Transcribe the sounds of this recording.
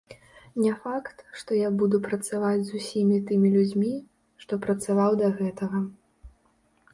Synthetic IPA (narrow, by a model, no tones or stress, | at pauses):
nʲɛfakt̪ʂt̪ɔjabud̪upɾɐt̪savad͡zʲzusʲimʲit̪ɨmʲilʲud͡zʲmʲi | ʂt̪ɔpɾɐt̪savawd̪ɐɣɛt̪ɐɣɐ